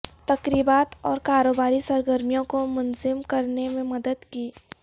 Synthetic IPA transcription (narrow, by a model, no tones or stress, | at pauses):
t̪ɐkɾiːbaːt̪ɔːɾkaːɾoːbaːɾisɐɾɡəɾmijõkomʊnzɪmkɐɾnemẽmɐd̪əd̪kiː